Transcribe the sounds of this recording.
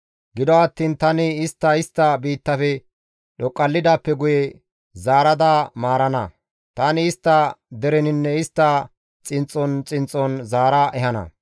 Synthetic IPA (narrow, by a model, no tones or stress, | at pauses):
ɡɪd̪ɔɐt̪ːiːnt̪ɐnɪɪst̪ːɐɪst̪ːɐbiːt̪ːɐfɛ | ɗɔkʼːɐlːɪd̪aːpːɛɡʊjɛ | zaːɾɐd̪aːmaːɾɐnɐ̰ | t̪anɪɪst̪ːɐd̪ɛɾɛnɪnːɛɪst̪ːɐ | t͡sʼɪnt͡sʼːɔnt͡sʼɪnt͡sʼːɔnzaːɾɐʔɛɦɐnɐ̰